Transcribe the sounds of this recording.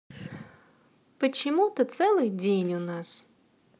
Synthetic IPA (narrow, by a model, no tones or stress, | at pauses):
pɐt͡ʃimut̪ɐt̪sɛlˠɪxdʲijnʲʊnɑs